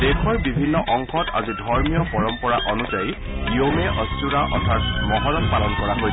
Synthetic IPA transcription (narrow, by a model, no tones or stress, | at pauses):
dekʰɔɹbibʱinːɔʔɔŋkʰɔtʰa̰zidʱɔɹmijɔpɔɹɔmpɔɹaʔɔnuzaji | iomɛʔɔstuɹaʔɔ̰tʰatmɔɦɔlatpalɔnkɔɹaɦoj